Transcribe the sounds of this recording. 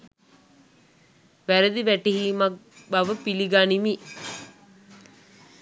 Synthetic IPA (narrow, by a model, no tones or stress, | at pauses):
ʋæɾəd̪iʋæʈiɦiːmak̚baʋəpiliɡaːnimi